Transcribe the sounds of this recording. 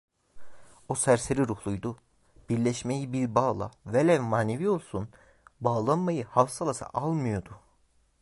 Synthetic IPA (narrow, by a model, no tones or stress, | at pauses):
osæɾseɾiɾuhlˠujd̪u | b̥iɾlʲɛʃmejibiɾbaːlˠa̰velʲɛnmaːnevio̞lˠsun | baːlˠanmajɯhafsalˠasa̰ʔalˠmɯjo̞d̪u